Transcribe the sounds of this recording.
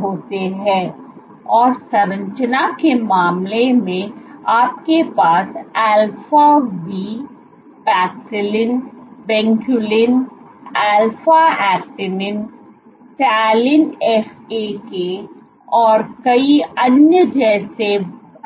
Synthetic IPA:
ɦoːt̪eɦɛ̃ː | ɔːɾsɐɾə̃ɲt͡ʃənakemaːmlemẽaːp̚kepaːsɛːlfaʋiː | pɛːksɪlɪnbɛ̃ːŋkjulɪn | ɛːlfaɛːk̚ʈɪnɪn | ʈɛːlɪnɛfeke | ɔːɾkɐiɐnjəd͡ʒɛːse

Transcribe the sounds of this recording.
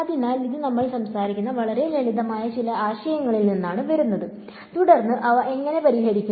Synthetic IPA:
ɐðinːaːliðinɐmːɐɭsɐmsaːɾikʲːunːɐʋɐɭɐɾe̞lɐliðɐmaːjɐt͡ɕilɐaːɕɐjɐŋːɐɭilninːaːɳɨʋɐɾunːɐðɨ | t̪uɽɐrnːɨʔɐʋɐʔe̞ŋːɐne̞pɐɾiɦɐɽikʲːu

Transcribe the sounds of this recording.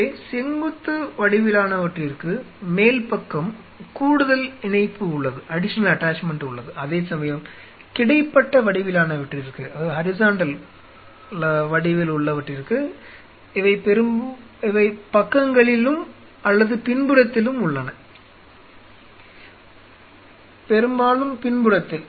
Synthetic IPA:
sɪŋɡɯt̪ːɯʋɐɽɪʋɪlaːnɐʋɐʈrɪɾɯkːɯ | meːlpɐkːɐm | kuːɽɯðɐlɪɳɐɪpːɯʊɭːɐðɯʔɐɽɪʂɐnɐlɐʈːaːt͡ʃmɛɳɖʊɭːɐðɯʔɐðeːsɐmɐjɐm | kɪɽɐɪpːɐʈːɐʋɐɽɪʋɪlaːnɐʋɐʈrɪɾɯkːɯɐðaðɯɦɐɾɪsaːɳɖɐl | ʋɐɽɪʋɪlʊɭːɐʋɐʈːɪɾɯkːɯ | ɪʋɐɪpɛɾɯm | ɪʋɐɪpɐkːɐŋɡɐɭɪlɯm | ɐlːɐðɯpɪnbɯɽɐt̪ːɪlɯmʊɭːɐnɐ | pɛɾɯmbaːlɯmpɪnbɯɽɐt̪ːɪl

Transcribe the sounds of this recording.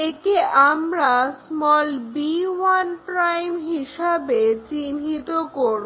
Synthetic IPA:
ekeʔamɾasmɔlbiwanpɾajmɦiʃabet͡ɕinɦit̪okoɾb

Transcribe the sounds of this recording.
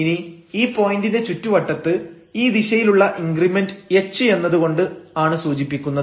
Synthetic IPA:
ini | iːpo̞ːjindinde̞t͡ɕutːuʋɐʈːɐt̪ːɨ | iːd̪iɕɐjiluɭːɐʔiŋɡrimendɨet͡ɕːɨe̞nːɐðuɣo̞ɳɖɨaːɳɨsuːt͡ɕipːikʲːunːɐð

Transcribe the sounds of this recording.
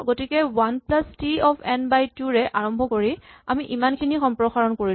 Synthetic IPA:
ɡotikɛwanplastiɔpʰɛnbajtuɹɛʔaɹɔmbʱɔkoɹiamiʔimankʰinixɔmpɹɔxaɹɔnkoɹi

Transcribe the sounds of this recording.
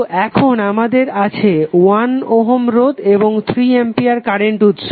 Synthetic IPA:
ʔɛkʰonamad̪eɾat͡ɕʰewanoɦomɾod̪eboŋt̪ʰɾiempijaɾkaɾeɳʈut̪ʃʰ

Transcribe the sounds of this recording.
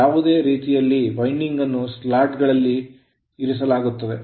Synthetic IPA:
aːʋud̪e̞ːɾiːt̪ijɐlːiʋɐjɳɖiŋɡɐnːuslaːʈɡɐɭɐlːi | iɾis̬ɐlaːɡut̪ːɐd̪e̞

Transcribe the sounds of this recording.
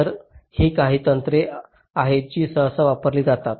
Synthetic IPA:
əɾhiːkaɦiːt̪ənt̪ɾe | aɦet͡ɕiːsəsəʋapəɾliːd͡zat̪at̪

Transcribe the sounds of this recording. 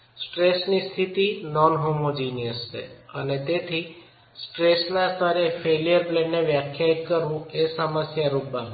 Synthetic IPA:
sʈɾesnist̪ʰit̪inɔnɦomod͡ʒinijəsʃḛənet̪et̪ʰi | sʈɾesnast̪aɾefeljəɾplɛnːeʋjakʰjaitkəɾũesaməsjaɾuba

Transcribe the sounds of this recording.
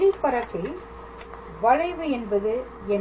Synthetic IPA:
ɽipːɐɾɐkːɪ | ʋɐɻɐɪʋɯɛnbɐðɯ | ɛn

